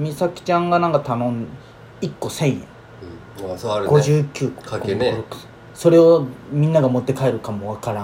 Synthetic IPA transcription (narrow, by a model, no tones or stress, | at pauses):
mʲisakʲi̥t͡ɕãŋɡanãŋkat̪anõ̞ŋ | ikːo̞sẽ̞ɰ̃jḛ̃ | ɾɯɡo̞ʑɨːkʲɨːko̥kkoɾokɯ̥ | so̞ɾe̞o̞mʲĩnːaɡamo̞t̪ːe̞kaeɾɯ̟kamo̞βakaɾã